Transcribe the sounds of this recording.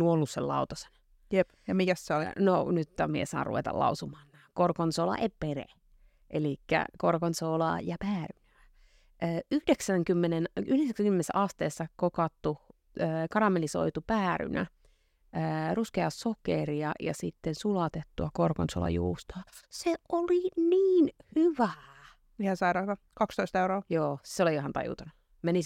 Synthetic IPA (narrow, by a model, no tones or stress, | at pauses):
uolːusːellɑut̪ɑse̥n | jepjɑmikæsseolnonyt̪ːɑmiḛsɑ̰ːrṵḛt̪ɑ̰lɑ̰usumɑːnnæːkorkonsolɑ̰ʔepperḛ | ʔelikːæ̰korkonsolɑ̰jɑpæːrynæː | ʔəːyhdeksæŋkymːenenyhdeksæksæŋkymːenesːæ̰ʔɑst̪eːsːɑkokɑt̪ːu | əːkɑɾɑmeliso̰it̪upæːry̰nʔæ̰ | əːruskeɑsokeriɑjɑ̰sit̪ːensulɑt̪et̪ːuɑkorkonso̰lɑ̰jṵːst̪ɑːseʔoliniːnhyʋæ | ihæsɑiɾɑːt̪ɑ | kɑkst̪oist̪euroːjoːseoliɑhɑnt̪ɑ̰jṵt̪ɑnu | meni